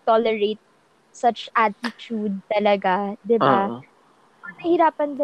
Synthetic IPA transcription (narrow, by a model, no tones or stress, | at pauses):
t̪olɛɹet̪̚ | sɐt͡ʃʔat̪ɪt͡ʃud̪̚t̪ɐlɐɡad̪ɪba | ɐnɐhɪɾaːpɐnd̪ɐ